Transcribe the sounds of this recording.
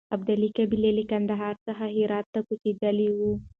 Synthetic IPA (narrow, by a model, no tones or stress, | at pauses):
ɐbd̪alikabilelikɐnd̪aɦaːɾsaɦaɦiɾɑːt̪ːakut͡ʃidɐliwu